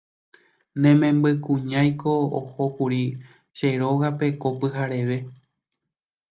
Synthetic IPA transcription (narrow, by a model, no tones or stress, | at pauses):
nẽ̞mẽ̞mbɨkũɲãj̃ko̞oho̞kuɾi | ʃeɾo̞ɣape̞kopɨɦaɾe̞ʋe̞